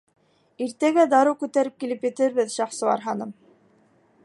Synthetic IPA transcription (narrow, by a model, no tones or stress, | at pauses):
iɾt̪æɡæd̪ɑɾɤwkʉt̪æɾɘp̚kilɘpjɘ̆t̪ɘɾβɘðʃɑχsɤ̆ɑ̰ɾɦɑnɤm